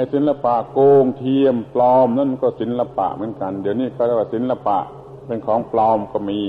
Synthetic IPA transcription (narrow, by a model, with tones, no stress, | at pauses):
a˧˨si˨˦nla˧pa˧˨ʔkoː˧ŋt̪ʰi˧əmplɔː˧mna˧˥˨nkɔː˧˩si˨˦nla˧pa̰˧˨ʔmɯ˨˦ə˦nka˧ndiː˨˦˩əwniː˧˥˩ka˧˩t̪ɛ˧˩waː˧˩si˨˦nla˧pa̰˧ʔ | pe˧nkʰɔː˨˦ŋplɔː˧mkɔː˧˩miː˧